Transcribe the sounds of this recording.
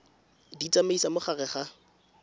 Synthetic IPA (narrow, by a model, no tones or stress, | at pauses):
dit͡sʼameisamʊχarɛχa